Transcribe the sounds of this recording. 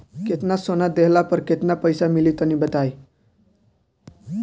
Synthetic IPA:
ket̪nasonad̪eɦlapəɾket̪napəjsamiliːt̪ənibət̪aj

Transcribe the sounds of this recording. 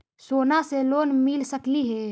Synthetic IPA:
soːnaseloːnmɪlsəkliɦɛː

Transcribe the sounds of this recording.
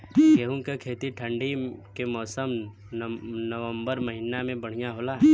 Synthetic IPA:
keɦũkekʰeːt̪iʈʰə̃ɳɖikemɔːsəm | nəʋə̃mbəɾməɦɪnamẽbəɽ̤ijaɦoːlaː

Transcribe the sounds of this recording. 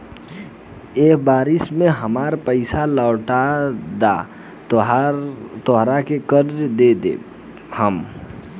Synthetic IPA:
eːkbaːɾɪsmẽɦəmaːɾpəɪsalɔːʈad̪a̰ | t̪ɔɦɾakekəɾd͡ʒd̪eːd̪ḛ | həm

